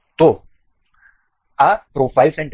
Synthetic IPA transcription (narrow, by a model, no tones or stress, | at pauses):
t̪o | apɾoːfajlsɛ̃ɳʈ